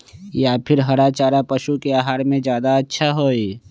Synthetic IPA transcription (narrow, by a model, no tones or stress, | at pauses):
japʰɪɾɦɐɾat͡ʃaːɾapɐʃukeaːɦaːɾmẽzjaːd̪aɐtːʃʰaɦoːi